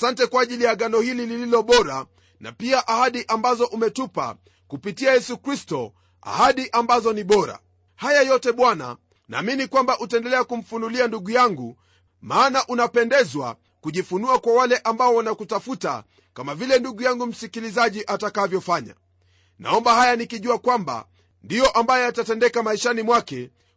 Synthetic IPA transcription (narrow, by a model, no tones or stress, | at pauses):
asantɛkwaːʄilijaɡanɔhililililɔɓɔɾa | na̰piaʔahaɗiʔambazɔʔumɛtupa̰ | kupitiajɛsukɾistɔ | a̰haɗiʔambazɔniɓɔɾa̰ | hajajɔtɛɓwana̰ | na̰ːminikwambaʔutaɛndɛlɛakum̩funulianduɠujaŋɡu | maːnaʔunapɛndɛzwa̰ | kuʄifunuakwawalɛʔambaɔwanakutafuta̰ | kamavilɛnduɠujaŋɡum̩sikilizaʄiʔatakavjɔfaɲa̰ | na̰ɔmbahajanikiʄuakwamba̰ | ndijɔʔambajɔjatatɛndɛkamaiʃanimwakɛ